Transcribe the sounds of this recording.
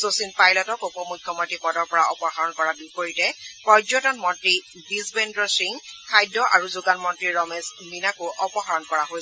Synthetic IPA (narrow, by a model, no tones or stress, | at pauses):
sosinpajlɔtɔkupɔmukʰːjɔmɔntɹipɔdɔɹpɔɹaʔɔpɔhaɹɔnkɔɹabipoɹitɛpɔzɔtɔnmɔntɹi | bizbendɹɔsɹiŋkʰajdːɔʔa̰ɹuzuɡanmɔntɹiɹɔmesminakuʔɔpɔɦaɹɔnkɔɹaɦojsɛ